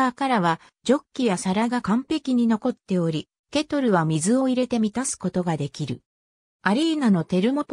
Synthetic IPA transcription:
kaɾaβa | d͡ʑo̞kʲːijasaɾaɡakãmpe̞kʲiɲ̟ino̞ko̞t̪ːe̞o̞ɾʲi | ke̞t̪o̞ɾɯ̟βamʲizɨo̞iɾe̞t̪e̞mʲit̪asɨ̥ko̞t̪o̞ɡad̪e̞kʲiɾɯ̟ | aɾʲiːnano̞t̪e̞ɾɯ̟mo̞t̪

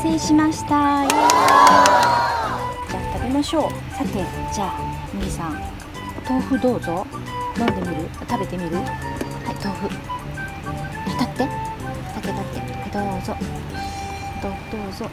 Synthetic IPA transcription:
se̞ːɕimaɕi̥t̪ajo | d͡ʑaːt̪aɾʲimaɕo̞ː | sat̪e̞d͡ʑaː | minasãŋ | t̪o̞ːɸɯ̟d̪o̞ːzo̞ | nãnd̪e̞mʲiɾɯ̟ | t̪abe̞t̪e̞mʲiɾɯ̟hait̪o̞ːɸɯ̟ | hat̪at̪ːe̞ | t̪ak̪ːet̪at̪ːe | d̪oːzo | t̪o̞ːɸɯ̟d̪̥o̞ːzo

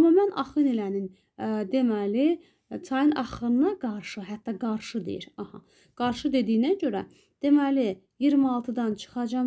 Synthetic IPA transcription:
mːɑmænɑχɯnelænin | d̪emæli | t͡s̪ʰɑjɯnʔɑχɯnɯnɑɡɑɾʃɯɦæt̪ːɑɡɑɾʃɯd̪ḛjḭɾɑhɑ | ɡ̥ɑɾʃɯd̪e̞d̪ijnæɟø̞ɾæ | d̪̥e̞mæli | jiɾmɑlˠt̪ʰɯd̪ɑnt͡ʃʰɯ̥χɑd͡ʒɑm

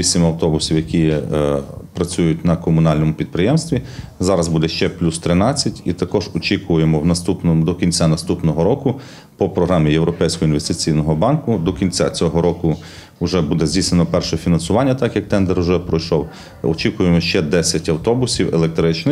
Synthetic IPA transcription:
isʲɪmɐwt̪ɔbʊsʲiwjɐkʲi | pɾɐt͡sʲujʊtʲnɐkɔmʊnɑlʲnɔmʊpʲid̪̚pɾɪjɛmst̪ʋʲizɑɾɐzbud̪ɛʃt͡ʃɛplʲust̪ɾɪnɑt͡sʲːɐtʲit̪ɐkɔʒɔt͡ʃikʊjemɔwnɐst̪upnɔd̪ɔkʲinʲt͡sʲanɐst̪upnɔɦɔɾɔkʊ | pɔpɾɔɦɾɑmʲijewɾɔpɛjsʲkɔɦɔinʋest̪ɪt͡sʲijnɔɦɔbɑnkʊd̪ɔkʲinʲt͡sʲa̰t͡sʲɔɦɔɾɔkʊ | ʊʒɛbud̪ɛzʲdʲisenɔpɛrʃɛfʲinɐnsʊʋɑnʲːɐt̪ɑkjɐk̚t̪ɛnd̪ɛɾʊʒɛpɾɔjʃɔw | ɔt͡ʃikʊjemɔʃt͡ʃɛd̪ɛsʲɐtʲɐwt̪ɔbʊsʲiwelˠek̚t̪ɾɪt͡ʃnɪ

